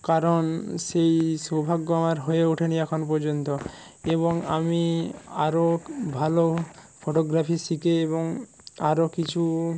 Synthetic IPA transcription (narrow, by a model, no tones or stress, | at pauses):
kaɾonʃejsobʱaɡːoamaɾɦojeuʈʰeniɛkʰonp̬ɔɾd͡ʑont̪o | eβoŋa̰miaɾobʱalopʰoʈoɡɾapʰisikeeboŋ | aɾokit͡ɕʰu